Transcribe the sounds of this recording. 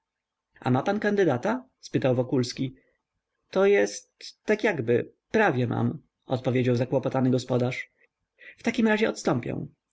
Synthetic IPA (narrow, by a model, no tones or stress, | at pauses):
a̰mapankand̪ɘd̪at̪a | spɘt̪awvɔkulskʲi | t̪ɔjɛst̪ːakʲjaɡbɘ | pɾavʲjɛmʔa̰m | ɔt̪̚pɔvʲed͡ʑawzakwɔpɔt̪anɘɡɔspɔd̪aʂ | ft̪akʲimɾaʑɛʔɔt̪st̪ɔmpʲjɛ̰w̃